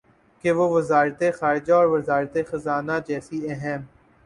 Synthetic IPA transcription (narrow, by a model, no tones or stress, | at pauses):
keʋoʋɐzaːɾt̪exaːɾɪd͡ʒaɔːɾʋɐzaːɾt̪exɐzaːnad͡ʒɛːsiɛɦɛm